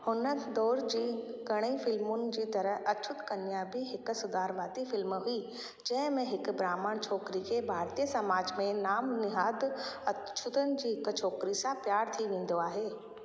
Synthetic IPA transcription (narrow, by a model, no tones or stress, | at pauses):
hʊnəd̪ɔːɾd͡ʑiːɡɐɽ̃eifɪlmʊnɪ̆d͡ʑiːt̪ɐɾəɦɐt͡ʃʰʊt̪kɐnɪjãbiɦɪk̆sʊd̪aːɾʋaːt̪ifɪlmɦʊi | d͡ʑɐ̃ɦɪ̃mẽɦɪk̆bɾaːmaːɽ̃t͡ɕʰɔːkɾikʰebʱaːɾt̪ijəsɐmaːd͡ʑmẽnaːmnɪɦaːd̪ɐt͡ʃʰʊt̪ənɪ̆d͡ʑiːɦɪkt͡ɕʰɔːkɾisãpjaːɾt̪ʰiʋẽːn̆d̪oaːɦeː